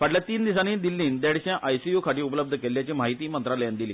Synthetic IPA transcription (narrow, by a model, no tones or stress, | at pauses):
ʋaʈljat̪iːnd̪isaniːd̪ilːiːnd̪ɛɽɕjãʔajsijukʰaʈiːupələb̚d̪ʱəkelːjat͡ɕiːmaɦit̪iːmənt̪ɾaljand̪ilḭː